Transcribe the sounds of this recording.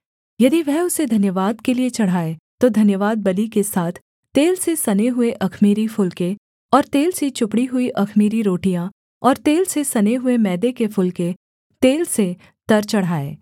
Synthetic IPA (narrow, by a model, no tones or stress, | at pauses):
jɐd̪iʋɛɦʊsed̪ʱɐnjəʋaːd̪keliet͡ʃɐɽ̤aːet̪od̪ʱɐnjəʋaːd̪̚bɐlikesaːt̪ʰ | t̪eːlsesɐneɦʊeʔɐkʰmiːɾifʊlke | ɔːɾt̪eːlset͡ʃʊpɽiɦʊiʔɐkʰmiːɾiɾoːʈijã | ɔːɾt̪eːlsesɐneɦʊemɛːd̪ekefʊlke | t̪eːlse | t̪ɐɾt͡ʃɐɽ̤aːḛː